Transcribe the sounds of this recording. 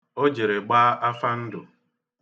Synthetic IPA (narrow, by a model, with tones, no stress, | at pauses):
o˦d͡ʒe˨ɾe˨ɡ͡baː˦ʔa˦fa˦n̩˦dʊ˨